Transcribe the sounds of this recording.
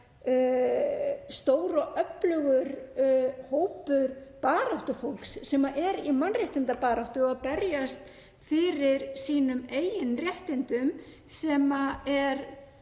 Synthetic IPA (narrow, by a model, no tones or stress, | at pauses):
st̪oːwɾɔʔœplœɣʏɾ | hoːwpʏɾpaːɾawht̪ʏfowlksːɛmaʔɛɾimanrɛht̪ɪnt̪apaːɾawht̪ʏapɛɾjast̪ | fɪɾɪɾ̥siːnʏmeːjɪnrjɛht̪ɪnt̪ʏm | sɛmaɛɾ